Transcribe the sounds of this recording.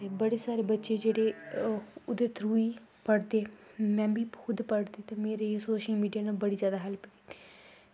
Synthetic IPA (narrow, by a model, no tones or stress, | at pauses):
ebəɽeːsaːɾeːbətːʃeːd͡ʒeːɽeː | ʊd̪eːt̪ʰɾuːiːpəɽd̪eːmɛ̃ːbiːxʰʊd̪pəɽd̪eːt̪ãːmeːɾesoːʃəlmiːɖijaːnaːbəɽiːzjaːd̪aːɦəlpəiː